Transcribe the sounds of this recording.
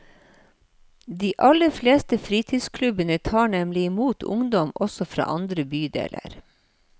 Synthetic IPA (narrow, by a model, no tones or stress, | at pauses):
d̪iːʔɑləfleːst̪əfɾiːt̪ʰiːskʰlʉbənət̪ʰɑːɳɛmlɪɪmuːt̪ʰʊ̰ŋd̪ɔmɔsɔfɾɑ̰ːʔɑnd̪ɾəbyːd̪ḛːlə̰ɾ